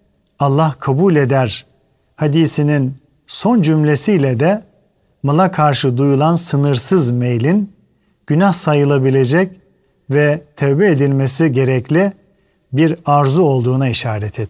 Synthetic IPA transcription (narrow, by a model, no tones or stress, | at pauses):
alˠːahkʰabuːlʲe̞d̪æɾ | had̪iːsinin | so̞nd͡ʒymlʲe̞sijlʲɛd̪ɛ | malˠakʰaɾʃɯd̪ujulˠansɯnɯɾsɯzmejlʲin | ɟ̥ynahsajɯlˠabilʲe̞d͡ʒɛc | vɛt̪ʰɛvbɛed̪ilʲmesiɟe̞ɾɛclʲi | biɾaɾzuo̞lˠd̪uːnaiʃaːɾɛt̪ʰɛt̪